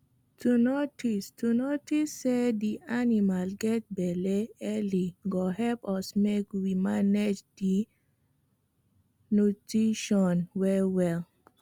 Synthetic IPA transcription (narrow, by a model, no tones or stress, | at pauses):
tunotistunotisːed̪iʔanimalɡɛt̚bɛleɛliɡohɛpɔsmekwimaned͡ʒdi | nutiʃɔnwɛwɛl